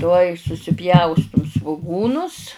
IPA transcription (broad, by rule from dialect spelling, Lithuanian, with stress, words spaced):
ˈtuɔj sʊsʲɪˈpʲjɛʊstʊm sʋʊˈɡuːnʊs